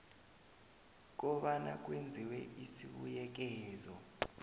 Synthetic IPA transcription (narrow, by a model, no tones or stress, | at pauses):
k̬ɔɓana̰k̬wend͡zʱiwɛʔisiɓujɛk̬ɛːzɔ